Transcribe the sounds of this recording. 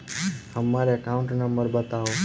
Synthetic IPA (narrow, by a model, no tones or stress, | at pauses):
həmːaɾeəkãʊ̃ɳʈnəmbəɾbət̪aũ